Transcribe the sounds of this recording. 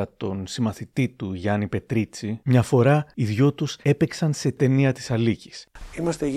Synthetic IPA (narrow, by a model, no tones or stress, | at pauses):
ɐt̪o̞nsimɐθit̪it̪uʝɐnipe̞t̪ɾit͡simɲɐfo̞ɾɐiðʝo̞t̪use̞peksɐnse̞t̪e̞niɐt̪i̥sɐlici̥simɐst̪eʝ